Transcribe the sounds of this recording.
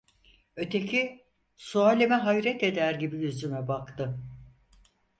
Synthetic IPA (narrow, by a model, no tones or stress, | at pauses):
ø̞t̪ʰe̞cʰi | suaːlʲemɛɦajɾɛt̪e̞d̪æɾɟibijyzymɛbakt̪ʰɯ